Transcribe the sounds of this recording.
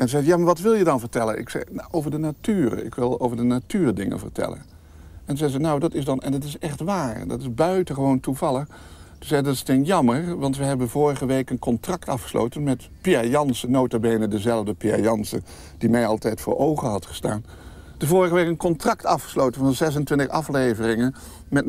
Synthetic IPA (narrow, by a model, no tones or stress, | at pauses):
ɛnzɛjaːmaɹʋɑtʋɪlˠjədɑnvəɹtɛlənɪ̰ksɛ̰ʔowvəɹdənatyːrə̰ɪ̰kʋɪlˠo̰wvəɹdənatyːɹdɪŋə̰nvə̰ɹtɛ̰lə̰n | ɛnzɛjzɛjnawdɑtɪsdɑnɛ̰ndɑtɪsɛχtʋaːɹdɑ̰tɪzbœɥtəχəʋowntuvɑlˠəχ | tuzɛjdɑtɪ̥stɪnjɑmərʋɑntʋəɦɛbənvʊːɹəχəʋejkənkɔntrɑktɑfχə̥slʔo̰wtənmɛt | piajɑnsənowtabejnədəzɛlˠəvdəpia̰jɑnsə̰ | d̥imɛjɑlˠtɛjtfʊ̰ːɹʔowχəɦɑtχə̥sta̰ːn | d̥əvʊːɹəχəʋeɪkənkɔntrɑktɑfχə̥slowtənvɑnzɛsəntʋɪntəχɑflejvərɪŋən | mɛt